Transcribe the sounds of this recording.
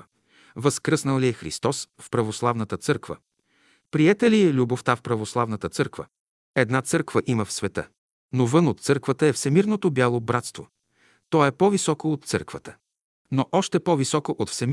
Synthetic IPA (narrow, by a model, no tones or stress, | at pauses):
vəskɾəsnəlˠliɛxɾḭst̪ɔsfpɾɐvoslˠavnət̪ət̪sɤɾkvə̰ | pɾiɛt̪əlilʲuboft̪afpɾɐvoslˠavnət̪ət̪sɤɾkvə̰ | ɛd̪nat̪sɤɾkvəʔiməfsvɛt̪ə̰ | novɤnot̪t̪sɤɾkvət̪əɛfsɛmiɾnot̪objalˠobɾat̪st̪vo̰ | t̪ɔɛpɔvisɔkoːt̪̚t̪sɤ̰ɾkvət̪ə̥ | noʔɔʃt̪ɛpɔvisɔkoʔot̪fsɛm